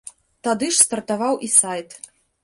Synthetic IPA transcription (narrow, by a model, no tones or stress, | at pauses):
t̪ad̪ɨʂst̪ɐrt̪avawʔisajt̪